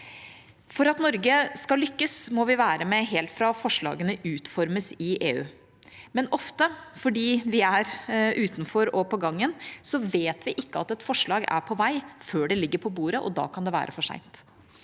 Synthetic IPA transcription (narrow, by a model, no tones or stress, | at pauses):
fɔɾɑt̪nɔɾɡəskɑlʏkːəsmɔʋɪʋæːɾəmɛɦeːlt̪fɾɑfɔʂɭɑ̰ːɡənəʉːt̪fɔɾməsɪʔeːʉ̰ː | mɛnɔft̪əfɔɖiːʋɪæɾʔʉːt̪nfɔɾɔpʰɔɡɑŋːənsɔʋeːt̪ʋɪʔɪkːəɑt̪ɛt̪fɔʂɭɑːɡæ̰ɾpʰɔʋæɪføːɖɛlɪɡːəɾpʰɔbuːɾəʔɔ̰d̪ɑ̰ːkʰɑnd̪ɛʋæ̰ːɾʔəfɔʂæ̰ɪnt̪